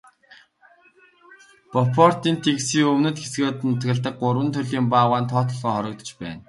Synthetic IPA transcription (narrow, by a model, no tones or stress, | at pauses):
pɔpʰɔr̥t̪iːnt̪ʰiksiːŋɵwnɘ̆t̪xesɡeːt̪nʊt̪ɡɘ̆ɮt̪ə̆k̚ɢʊɾwə̆nt̪ʰɵɮiːmpaːʁaːnt̪ʰɔːt̪ɞ̆ɮʁɔːχɔɾɞ̆k̚t̪ɞ̥̆t͡ɕpæ̰ːn